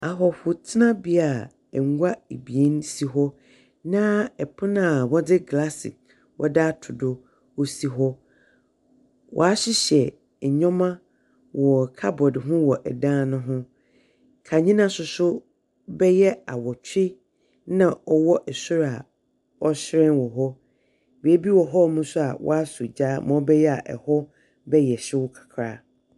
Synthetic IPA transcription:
a˨ɦɔ˨fʊ˨tʰɪ˦nã˦bi˦a˨ | ɛ˨ŋ˦ɡʷa˦e˨bi˨e˦n˦si˦ɦɔ˦ | nã˦ɛ˨pʰʊ˦nã˦˨wɔ˦dɪ˦ɡla˦sɪ̰˨ | wʔɔ̰˦da˦tʰʊ˨dʊ˨ | o˦si˦ɦɔ˦ | wʔɔ̰˨a˦ɕɪ˦ɕɛ˨ | ɲɔ̃˦mã˦ | wɔ˨kʰa˦bɔ˨dɪ˨ɦʊ̃˦wɔ˨ʔɛ˨dãː˦nʊ̃˦ɦʊ̃˦ | kʰa˨ɲĩ˦nã˦sʊ˨sʊ˦ | bɛ˦jɛ˦a˨wɔ˨t͡ɕʰᶣɪ˦ | nã˨ɔ˨wɔ˦ʔɛ˨sʊ˦ɾa˨ | ɔ˦ɕɪ˦ɾɛ̃˦nwɔ˨ɦɔ˦ | be˦bi˦wɔ˨ɦɔ˦˨mũ˦sʊ˦a̰˨wʔɔ̰˦a˦sʊ˨d͡ʑaː˦mã˨ɔ˦bɛ˦jɛ˦a˨ʔɛ̰˨hɔ˦ | bɛ˦jɛ˨ɕɪ˦wʊ˦kʰḁ˨kʰɾaː˦

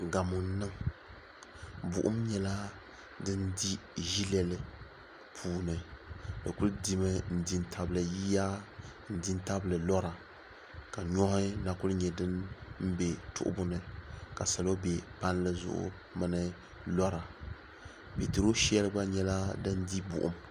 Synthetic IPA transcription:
ɡa˨mʊ˨n˨˦nɨ˦ŋ | bʊ̰˨ʔʊ̰˦mɲɛ˦la˦ | dɨ˦ndi˦ʒi˦lɛ˦lɨ˦ | pʰuː˦nɨ˨dɨ˨kʊ˦ldi˦mɨ˦n̩˨di˨n˦tʰa˨blɨ˨ji˦ja˦n̩˨di˦n˦ta˦blɨ˨lɔ˦ɾa˨ | ka˨ɲɔ˦hɪ˦na˨kʊ˦lɲɛ˨dɨ˦nm̩˦bɛ˨tʊ̰˦ʔʊ̰˦bʊ˦nɨ˨ka˨sa˨lo˦bɛ˨pa˦n˦lɨ˦zʊ̰˨ʔʊ̰˦ | mɨ˦nɨ˦ | lɔ˦ɾa˨ | pi˨ti˨ɾo˦ʃɛ˦lɨ˦ba˦ɲɛ˦la˦dɨ˦ndi˦bʊ̰˨ʔʊ̰˦m

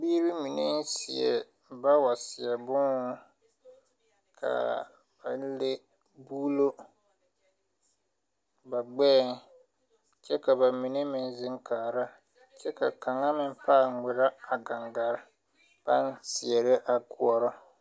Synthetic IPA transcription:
biː˦ɾi˦mi˨ne˦n˦sɪ̰˨ɛ̰˨ | ba˦wa˨sɪ˨ɛ˨bʊ˦ŋ˦ | kʰa̰˨ | ba̰˨n˦le˦ | bu˦lo˦ | ba˨ɡ͡bɛ˦˨ŋ | t͡ʃɛ˦ka˨ba˨mi˨ne˦mɪ˦n˦zɪ˦ŋkaː˨ɾa˦ | t͡ʃɛ˦ka˨ka˨ŋa˦mɪ˦m˦paː˦˨˦ŋɪ˨ɾa˦a˨ɡa˨ŋɡa˨ɾ | pa˦n˦siɪ˨ɛ˨ɾɪ˦ʔa˨ku˨ɔ˦ɾɔ˦

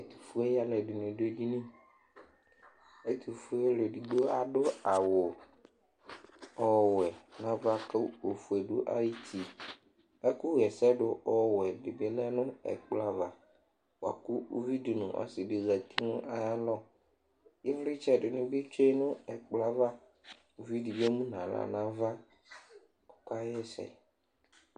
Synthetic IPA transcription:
ɛ˨t̪i̥˨fu˦ɛ˦ja˦lɛ˨dɪ˨nʊ̃˨de˦di˦nĩ˦ | a˨ji˦t̪i˨fu˦ɛ˦ja˦lɛ˨di˨ɡ͡bo˦a˨dʊ˦a˨wʊ˨ | ɔ˨wɛ˨nã˨va˦ka˦o˨fu˨ɛ˨dʊ˦ʔa̰˦ji˦t̪ʰi˨ | a˦ku˦ɣɛ˨sɛ˦ɖʊ˨ʔɔ˦wɛ˨dɪ˨be˨lɛ˦nʊ̃˦ɛ̰˨k͡pla˦va˨ | wa̰˨kʊ˦o˦vi˦di˨nʊ̃˨ʔa̰˨sɪ˨dɪ˨ɣa˨t̪i˦nʊ̃˦ʔa˨ja˦lɔ˦ | jɪ˦ɾi˦t͡ʃa˨dɪ˨nʊ̃˦bɪ˦t͡ʃe˦nʊ̃˦ɛ˨k͡pla˦va˦ | o˨vi˦di˨bɔ˦mũ˦nã˨la̰˨nã˦va˦ | ʊ˨ka˦ɛ˦sɛ̰˨

